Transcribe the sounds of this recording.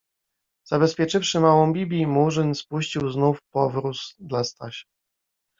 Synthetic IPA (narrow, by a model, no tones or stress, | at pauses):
z̥abɛspʲjɛt͡ʂɘfʂɘmawɔ̃w̃bʲibʲimuʐɘnspuɕt͡ɕiwznufpɔvɾusd̪last̪a̰ɕḁ